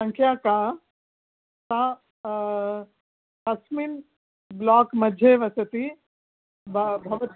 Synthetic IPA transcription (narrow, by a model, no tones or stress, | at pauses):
ɐ̃ŋkʰjaːkaː | t̪ãː | t̪ɐsmin | blaːkmɐd͡ʒʱeːʋɐsɐt̪i | bbʱɐʋɐt̪